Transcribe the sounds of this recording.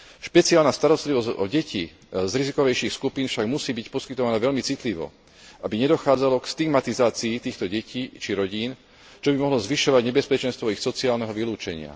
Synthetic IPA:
ʃpɛt͡siaːlnast̪aɾɔst̪liʋɔzɟɔ̰ɟɛci | zɾizikɔʋɛjʃiːxskupiːnfʃaɡmusiːbicpɔskit̪ɔʋanaʋɛʎmit͡sit̪liʋɔ̰ | ʔabiɲɛd̪ɔxaːd͡zalɔkst̪iɡmat̪izaːt͡siːt̪iːxt̪ɔɟɛciːt͡ʃiɾɔɟiːn | t͡ʃɔbimɔɦlɔzʋiʃɔʋaɟɲɛbɛspɛt͡ʃɛnst̪ʋɔixsɔt͡siaːlnɛɦɔʋiluːt͡ʃɛɲɪa̰

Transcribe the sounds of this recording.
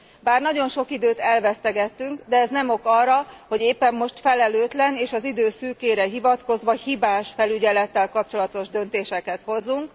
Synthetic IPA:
baːrnɒɟo̞nʃo̞kid̪øːt̪ɛlvɛst̪ɛɡɛt̪ːyŋkd̪ɛɛznɛmo̞kɒrːɒho̞ɟeːpːɛmːo̞ʃt̪fɛlɛløːt̪lɛneːʃɒzid̪øːsyːkeːɾɛɦivɒt̪ko̞zʋɒhibaːʃfɛlyɟɛlɛt̪ːɛlkɒp̚t͡ʃo̞lɒt̪o̞ʒd̪ø̞n̪t̪eːʃɛkɛt̪ho̞zːuŋk

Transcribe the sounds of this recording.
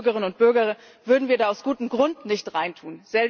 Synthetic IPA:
ɡəʁɪnʊnt̚b̥ʏɐɡɐʁə | v̥ʏɐdn̩viːɐdaːaʊsɡ̥uːtəm̩ɡʁʊndnɪçtʁaɪntʰuːnz̥ɛl

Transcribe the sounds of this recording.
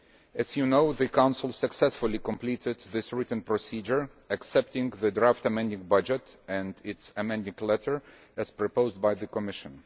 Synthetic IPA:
ɨzjɨnoʊðɨkʰãʊ̃nsl̩ˠsɨksɛsfʊlˠikə̃mpliɾɪd̪̚ðɪsɹɪtn̩pɹɔsid͡ʒə˞ | ɨksɛp̚tɪ̃ŋðɨdɹaftəmɛ̃ndɪ̃ŋbʌd͡ʒɨtɨ̃ndɪtsɨmɛ̃ndɪ̃ŋlɛɾə˞ | ɨz̥pɹɔpoʊzd̚baɪðɨkɔmɪʃɨ̃n

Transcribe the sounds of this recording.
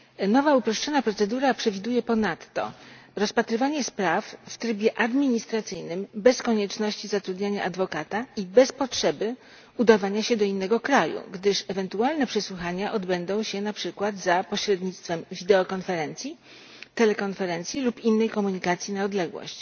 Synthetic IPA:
nɔvaupɾɔʂt͡ʂɔnapɾɔt̪sɛd̪uɾapʂɛvʲid̪ujɛpɔnat̪ːɔ̰ɾɔspat̪ɾɘvaɲɛspɾafft̪ɾɘbʲjɛʔad̪mʲiɲist̪ɾat̪sɘjnɘmbɛskɔɲɛt͡ʂnɔɕt͡ɕizat̪ɾud̪ɲaɲaʔad̪vɔkat̪aibɛspɔtʂɛbɘ | ud̪avaɲaɕɛd̪ɔinːɛɡɔkɾajṵɡd̪ɘʂɛvɛnt̪ualnɛpʂɛswuxaɲaʔɔd̪bɛnd̪ɔ̃w̃ɕɛnapʂɘkwad̪zapɔɕɾɛd̪ɲit̪st̪fɛmvʲid̪ɛɔkɔnfɛɾɛnt̪sʲji | t̪ɛlɛkɔnfɛɾɛnt̪sʲilupinːɛjkɔmuɲikat̪sʲjinaɔd̪lɛɡwɔ̰ɕt͡ɕ

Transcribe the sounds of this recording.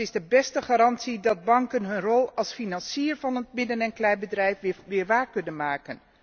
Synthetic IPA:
ɪzdəbɛstəχaːɾɑntsidɑd̚bɑŋkənɦɵnrɔlˠɑlˠsfinɑnsiːɹvɑnət̚mɪdənɛnklɛjbədrɛjfʋɪːɹʋaːɹkɵnənmaːkən

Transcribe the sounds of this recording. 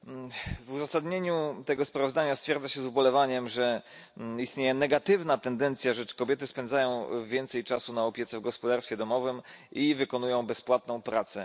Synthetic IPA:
vuzasad̪ɲeɲut̪ɛɡɔspɾavɔzd̪aɲast̪fʲjɛɾd̪zaɕɛzubɔlɛvaɲɛmʐɛ | ist̪ɲejɛnɛɡat̪ɘvnat̪ɛnd̪ɛnt̪sʲjaʐɛt͡ʂkɔbʲjɛt̪ɘspɛnd̪zajɔ̃w̃vʲjɛnt̪sɛjt͡ʂasunaɔpʲjɛt̪sɛvɡɔspɔd̪aɾsfʲɛd̪ɔmɔvɘmivɘkɔnujɔ̃w̃bɛspwat̪nɔ̃w̃pɾat̪sɛ

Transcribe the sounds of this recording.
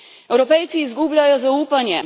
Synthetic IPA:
ɛwɾɔpɛjt̪siːzɡublʲajɔzauːpanjɛ

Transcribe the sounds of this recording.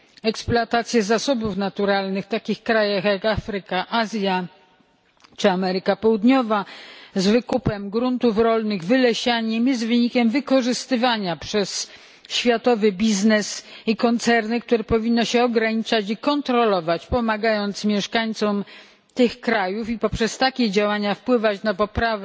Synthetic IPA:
ɛksplat̪at̪sʲjɛzasɔbufnat̪uɾalnɘxt̪akʲixkɾajaxjakafɾɘkaʔazʲja | t͡ʂɘamɛɾɘkapɔwud̪ɲɔvazvɘkupɛmɡɾunt̪ufɾɔlnɘɣvɘlɛɕaɲɛmjɛs̬t̪vɘɲikʲɛmvɘkɔʐɘst̪ɘvaɲapʂɛs | ɕfʲjat̪ɔvɘbʲiznɛsikɔnt̪sɛɾnɘk̚t̪uɾɛpɔvʲinːɔɕɛɔɡɾaɲit͡ʂat͡ɕikɔnt̪ɾɔlɔvat͡ɕpɔmaɡajɔnt̪smʲjɛʂkaɲt̪sɔm | t̪ɘxkɾajufipɔpʂɛst̪akʲɛd͡ʑawaɲafpwɘvat͡ɕnapɔpɾavɛ

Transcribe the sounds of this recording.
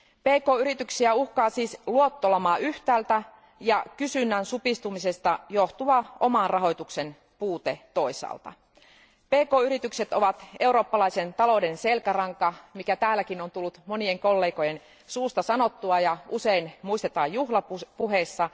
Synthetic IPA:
pe̞ːko̞ːyɾit̪yksiæuhkɑːsiːsluot̪ːolɑmɑːyht̪æːlt̪æ | jɑkysynːænsupist̪umisest̪ɑjoht̪uɑo̞̰mɑnrɑɦo̞jt̪ukse̞n | puːt̪e̞t̪o̞isɑ̰ːlt̪ɑ̰ | peːko̞ːyɾit̪ykse̞t̪oʋɑt̪e̞uɾo̞ːpːɑlɑisent̪ɑlo̞de̞nse̞lkærɑŋkɑmikæt̪æːlːækinont̪ulːut̪mo̞nieŋko̞lːe̞ːko̞jen | suːst̪ɑsɑnot̪ːuɑjɑuseinmuist̪et̪ɑːjjuhlɑpupuɦeːsːɑ

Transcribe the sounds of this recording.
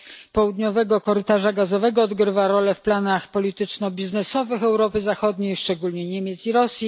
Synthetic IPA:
pɔwud̪ɲɔvɛɡɔkɔɾɘt̪aʐaɡazɔvɛɡɔːd̪ɡɾɘvaɾɔlɛfplanaxpɔlʲit̪ɘt͡ʂnɔbʲiznɛsɔvɘxɛwɾɔpɘzaxɔd̪ɲejʂt͡ʂɛɡulɲɛɲɛmʲjɛt̪siɾɔsʲji

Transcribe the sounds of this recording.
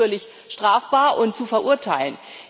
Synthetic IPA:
ɐlɪç | ʃtʁ̥aːfb̥aːɐʔʊntt͡sufɛɐʔuɐtʰaɪlən

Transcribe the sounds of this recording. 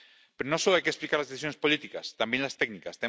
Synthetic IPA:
peɾonosoloajkesplikaɾlazðeθis̬jonespolit̪ikast̪ambjẽnlast̪ɛɡnikast̪e

